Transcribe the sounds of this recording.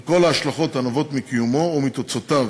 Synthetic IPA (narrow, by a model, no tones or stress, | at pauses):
ko̞laːʃlaχo̞t̪anavo̞t̪mikijumo̞umit̪ot͡sot̪av